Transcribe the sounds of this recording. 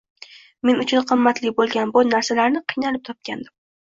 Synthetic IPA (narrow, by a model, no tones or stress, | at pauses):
me̞nʊt͡ʃʰʊnqʰɨmːat̪lɪbolˠɡʲanbɒnaɾsalaɾnɪqʰɨjnalɪp̚t̪ʰɒp̚kʲʰand̪ɪm